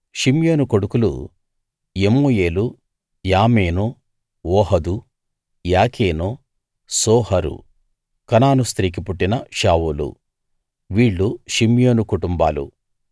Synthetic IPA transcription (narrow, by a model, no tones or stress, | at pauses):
ʃimjo̞ːnuko̞ɽukulṵ | emuːjeːlu | jaːmeːnu | ɔːɦɐd̪u | jaːkʰeːnu | sɔːhɐɾṵ | kɐnaːnust̪ɾiːk̬ipuʈːinɐʃaːwulṵ | ʋiːɭːuʃimjoːnukuʈumba̰ːlṵ